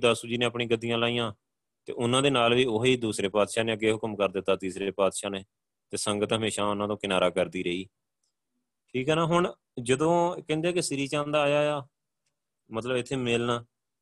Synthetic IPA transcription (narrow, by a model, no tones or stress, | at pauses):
d̪asuːd͡ʒiːnẽːəpɳĩːɡəd̪ɪjãːlaːijãː | t̪ḛːʔʊnãːd̪eːnaːlʋiːʊɦeiːd̪uːsɾeːpaːd̪ʃaːneːəɡːeːɦʊkəmkəɾd̪ɪt̪ːaːt̪iːsɾeːpaːd̪ʃaːneː | t̪eːsəŋɡət̪ɦəmeːʃaːʊnãːt̪õːkɪnaːɾaːkəɾd̪iːɾəiː | ʈʰiːkɦɛːnaːɦʊɳ | d͡ʒəd̪õːkɛ̃ːnd̪eɛːkesɪɾiːt͡ʃãːnd̪aːjaːjaː | mət̪ləbɪt̪ʰːeːmɪlnaː